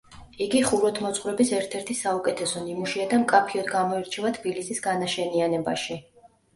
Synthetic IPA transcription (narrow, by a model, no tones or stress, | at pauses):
iɡiχuɾɔt̪ʰmɔt̪sʼχvɾɛbisɛɾt̪ʰɛɾt̪ʰisaukʼɛt̪ʰɛsɔnimuʃiad̪amkʼapʰiɔd̪ɡamɔiɾt͡ʃʰɛvat̪ʰb̥ilisisɡanaʃɛnianɛbaʃi